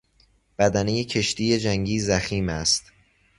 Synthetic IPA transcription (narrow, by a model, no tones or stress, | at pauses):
b̥æd̪ænejecʰe̞ʃt̪iːje̞d͡ʒæŋɟiːzæxiːmæst̪